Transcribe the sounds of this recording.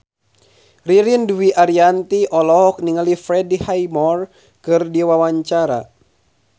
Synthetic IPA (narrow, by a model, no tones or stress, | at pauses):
riɾinduwiaɾiant̪iʔɔlɔɦɔk̚niŋalifɾɛdihajmɔr | kɨrdiwawaɲt͡ʃaɾa̰